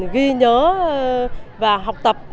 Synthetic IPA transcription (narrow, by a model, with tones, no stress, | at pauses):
ɣi˧ɲəː˨˦ | vaː˨˩ɦa˨˩wk͡p̚t̪ə˨˩p̚